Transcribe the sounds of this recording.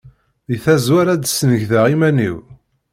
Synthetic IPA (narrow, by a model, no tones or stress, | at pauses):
iθæzwæɾæd̪snəʝθəʁimænḭw